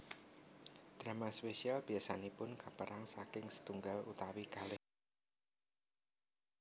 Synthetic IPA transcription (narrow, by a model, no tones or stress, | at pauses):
d̪̥ɾamaspeʃialb̥iasanepʊnkapəɾʔaŋsakɪŋsə̥t̪uŋɡalut̪awikalɪ